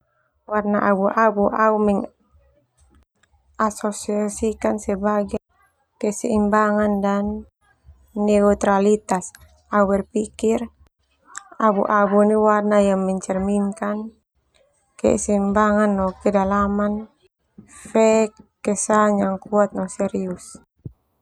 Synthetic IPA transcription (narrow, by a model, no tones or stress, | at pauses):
warnaʔabuʔabuʔaumɛŋ | asɔsiasikansɛbaɡa | kɛsɛ̰imbaŋandanː | ɛut̪ɾalit̪as | aubɛrpikir | abṵʔabuniwarnajaŋmɛɲt͡ʃɛrmiŋkan | kɛ̰sɛimbaŋanːɔkɛdalaman | fɛkːɛsaɲaŋkuat̪̚nɔsɛɾius